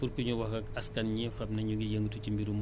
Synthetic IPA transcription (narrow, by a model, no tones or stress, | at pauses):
kuɾkuɲuwɐxɐɐskɐnɲifɐbnɐɲuŋɡijəŋɡutucimbiɾum